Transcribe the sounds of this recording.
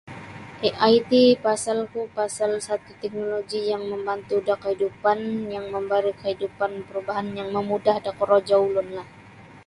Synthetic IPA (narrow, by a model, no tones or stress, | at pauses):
ʔeʔajt̪ipasalkupasalsat̪ut̪ɛk̚noloɡijaŋməmbant̪udakəhidupanjaŋməmbaɾikəɦidupanpəɾubaɦanjaŋməmudahdakɔɾod͡ʒaulʊnlah